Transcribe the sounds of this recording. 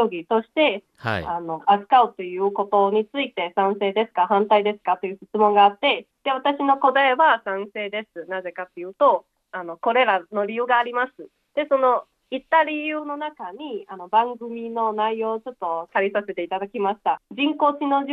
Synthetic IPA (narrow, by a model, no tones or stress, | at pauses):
oɡʲit̪o̞ɕi̥t̪e̞ | ano̞asɨ̥kaot̪ːo̞jɯ̟ːko̞t̪o̞ɲ̟it͡sɨit̪e̞sãɰ̃se̞ːd̪e̞sɨ̥kaɦãnt̪aid̪e̞sɨ̥kat̪ːo̞jɯ̟ːɕit͡sɨmõ̞ŋɡaːt̪ːe̞d̪̥e̞βat̪aɕino̞ko̞d̪aeβasãɰ̃se̞ːd̪e̞sɨnaze̞kat̪ːe̞jɯ̟ːt̪o̞ | ano̞ko̞ɾe̞ɾano̞ɾʲijɯ̟ːɡaːɾʲimasɨ | d̪̥e̞so̞no̞ | it̪ːaɾʲijɯ̟ːno̞nakaɲ̟iano̞bãŋɡɯ̟mʲino̞naijo̞ːt͡ɕo̞t̪ːo̞t̪aɾʲisase̞t̪e̞it̪ad̪akʲimaɕi̥t̪ad͡ʑĩŋko̞ːt͡ɕino̞ʑ